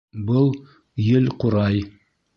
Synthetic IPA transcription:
bɤlˠ | jɘlquɾɑj

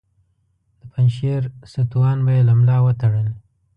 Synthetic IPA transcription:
d̪̥əpanʃeɾsat̪uwɑnbajelamlɑwət̪aɽəl

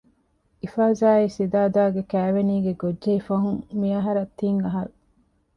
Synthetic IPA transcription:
ʔifaːzaːisid̪aːd̪aːɡekæːʋeniːɡeɡodʒeifɐɦuŋmiɐɦɐɾɐt̪ːiŋɐɦɐɾu

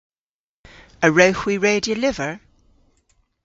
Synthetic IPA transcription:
əɹəʊhwiɹeɪdiəlɪvəɹ

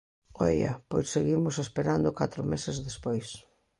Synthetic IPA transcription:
ɔ̰ja̰pojsːeɣimʊsespeɾand̪ʊkat̪ɾʊmesezðespojs

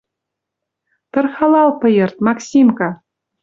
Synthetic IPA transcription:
t̪ɤ̆rχɑlˠɑlˠpɤ̆jɤ̆rt̪̚mɑksʲimkɑ

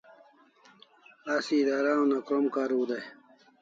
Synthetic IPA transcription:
asid̪aːɾaːũnakɾomkaːɾuːd̪aj

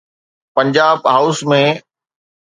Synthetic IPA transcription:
pɐ̃ɲd͡ʑaːbɦaːʊsmẽ

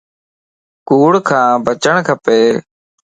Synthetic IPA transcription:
kuːɽkʰãːbʱət͡ʃəɳkʰəpeː

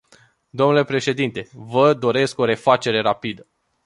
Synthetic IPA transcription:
d̪o̞mnule̞pɾe̞ʃe̞d̪int̪e̞vəd̪o̞ɾe̞sko̞ɾe̞fat͡ʃe̞ɾe̞ɾapid̪ə

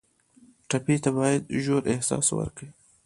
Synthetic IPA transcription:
ʈapit̪abɑjad̪ʒoɾʔɪhsɑ̰swə̰ɾkɽi

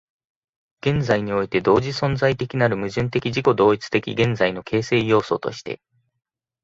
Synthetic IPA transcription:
ɡ̥ẽ̞nzaiɲ̟io̞it̪e̞d̪o̞ːʑisõ̞nd͡zait̪e̞kʲinaɾɯ̟mɯ̟ʑɨ̃nt̪e̞kʲiʑiko̞d̪o̞ːit͡sɨ̥t̪e̞kʲḭɡẽ̞nzaino̞kʰe̞ːse̞ːjo̞ːso̞t̪o̞̰ɕi̥t̪e̞̰

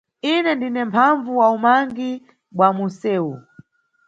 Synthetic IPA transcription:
inɛndinɛmpʰaɱvuwaumaŋɡi | ɓwamusɛːu

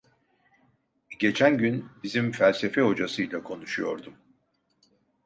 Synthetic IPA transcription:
ɟe̞t͡ʃʰænɟynbizimfælʲse̞fɛho̞d͡ʒasɯjlʲˠakʰo̞nuʃujo̞ɾd̪um

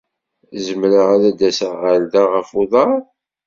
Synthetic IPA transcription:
zəmɾəʁaɾæd̪æsəʁːæld̪aʁəfuðˤɑ

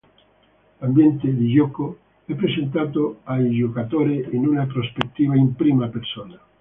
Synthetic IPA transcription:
lambjɛnt̪ed̪id͡ʒɔko | ɛpːɾesent̪̬aːt̪oajd͡ʒokat̪oːɾeinunapɾospet̪ːiːvaimpɾiːmapersoːna

